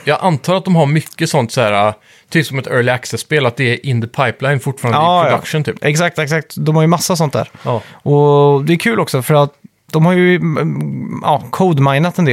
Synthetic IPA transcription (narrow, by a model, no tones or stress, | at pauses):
jɑːɡʔant̪ʰɑːɾat̪̚d̪ɔmɦaɾmʏkːəsɔnt̪sɔhæːɾa | t̪ʰyːpsɔmɛt̪œːɭɪaksɛsːpeːlat̪̚d̪ɛːɾʔɪnd̪əpʰajplaɪnfʊʈːfɑɾanɑːɾd̪akʂənt̪ʰy̰ːpːʔɛksak̚t̪ɛksak̚t̪d̪ɔmhaɾjɵmasːasɔnt̪̚d̪æ̰ːɾʔɔd̪ɛːɾkʰʉ̟ːlɔksɔfœɾat̪̚ | d̪ɔmhaɾjɵ | ʔɑ̰ːkʰod̪maɪnat̪ɛnd̪eː